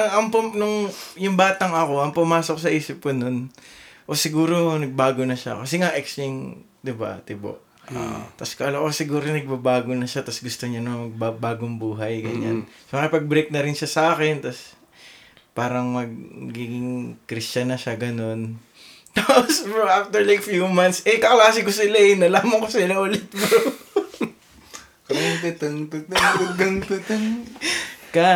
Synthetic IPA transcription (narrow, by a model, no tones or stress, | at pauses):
ɐŋɐŋpʊmnʊŋjʊŋbaːt̪ɐŋɐko̞ʔɐŋpʊmaːsok̚sɐʔiːsɪp̚kono̞nʔo̞sɪɡuːɾonɐɡ̚baːɡonɐʃa̰kːɐsɛŋaʔɛksɪŋ | d̪ɪba̰t̪ɪbo̰ʔ | ʔa̰t̪ɐskɐʔlɐkosɪɡuːɾonɐɡ̚babaːɡonɐʃat̪ɐsɡʊst̪oɲanɐŋmɐɡ̚babaːɡoŋbuːɦɐjɡɐɲa̰nsomɐajpɐɡ̚bɾejk̚nɐɾɪnʃasɐʔaːkɛnt̪ɐs | paːɾɐŋmɐɡ̚ɡiːɡɪŋkɾɪst͡ʃɐnɐʃaɡɐno̞n | t̪aːpospɛɾoʔaft̪ɛɹlajk̚fjumɐnt̪sʔɛkɐklaːsɪkosɪlaɛnɐlaːmɐŋkosɪlaʔʊlɪt̪̚mo | kɐŋpɛt̪ɐŋpɪt̪ɐŋt̪ɐkɐŋpɛt̪ɐŋ | ka